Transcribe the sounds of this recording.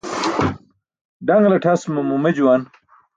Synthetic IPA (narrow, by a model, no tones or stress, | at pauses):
ɖɐŋɡlɐʈʰɐsmumumɐd͡ʑuwan